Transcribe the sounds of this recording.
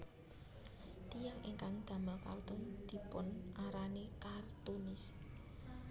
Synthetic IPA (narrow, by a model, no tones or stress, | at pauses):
t̪ijaŋʔeŋkaŋd̪̥ä̤məlka̰rt̪ʊnd̪̥i̤pʊnʔaɾanekart̪unɪs